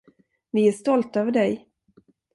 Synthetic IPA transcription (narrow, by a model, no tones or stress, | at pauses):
vɪæʂt̪ɔlt̪øːvəɖɛj